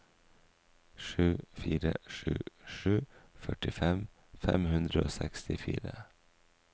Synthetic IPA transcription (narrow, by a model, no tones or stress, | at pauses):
ʃʉːfiːɾəʂʉ̰ːʂʉːfœʈɪfɛm | fɛmhʉnd̪ɾəoːsɛkst̪ɪfḭːɾə